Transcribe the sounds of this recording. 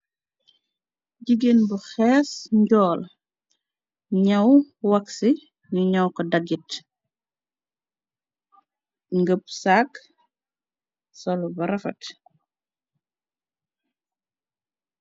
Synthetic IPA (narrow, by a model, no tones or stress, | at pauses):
ɟiɡenbuxɛːsɲɟɔːl | ɲɐwwɐksi | ɲuɲɐwkɔdɐɡit | ŋɡəp̚sak | sɔlbɐɾɐfɐ̰t